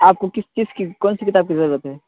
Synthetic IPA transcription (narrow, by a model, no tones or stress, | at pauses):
aːp̚kokɪst͡ʃiskikɔːnsikɪt̪aːb̚kizɐɾət̪ɦɛː